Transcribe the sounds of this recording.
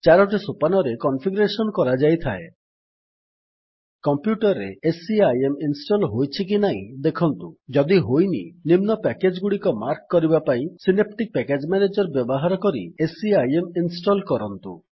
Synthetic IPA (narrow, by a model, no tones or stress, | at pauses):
t͡ʃaɾɔʈ̬isupanɔɾekɔnpʰiɡuɾesɔnkɔɾad͡ʒajt̪ʰae | kɔmpjuʈɔɾːḛesiajeminsʈolɦojt͡ʃʰik̬inaĩd̪ekʰɔnt̪ud͡ʒɔd̪iɦojnḭnimnɔpɛked͡ʒɡuɽikɔmaɾkːɔɾibapaĩsinep̚ʈik̚pɛked͡ʒmɛned͡ʒɔɾbjɔbɔɦaɾɔkɔɾḭesiajeminsʈɔlkɔɾɔnt̪ṵ